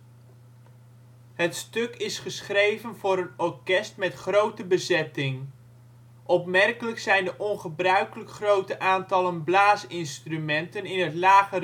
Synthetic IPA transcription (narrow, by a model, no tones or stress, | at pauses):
hətstɵkɪsχəsχrejvənvʊːɾənɔɹkɛstmɛtχrowtəbəzɛtɪŋ | ʔɔpmɛrkələksɛjndəʔɔnχəbrœɥkələkχrowtəʔaːntɑlənblaːsɪnstrymɛntənɪnɦətlaːχə